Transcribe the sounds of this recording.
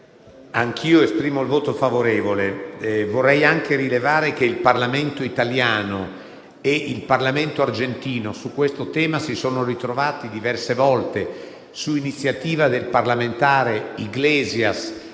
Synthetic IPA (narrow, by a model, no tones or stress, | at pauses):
aŋkʰiːoespɾiːmoilvoːt̪ofavoɾeːvolevorːɛjaŋkeɾilevaːɾekeilparlament̪oit̪aljaːno | eʔilparlament̪oard͡ʒent̪iːnosukːwest̪ot̪ɛːmasisoːnorit̪ɾovaːt̪id̪ivɛrsevɔlt̪e | suinit̪sːjat̪iːvad̪elparlament̪aːɾeiɡlɛːzjas